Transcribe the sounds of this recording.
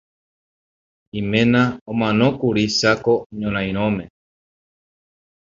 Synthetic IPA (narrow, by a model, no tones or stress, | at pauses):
imẽnãomãnokuɾisakoɲõɾ̃ãj̃ɾ̃õme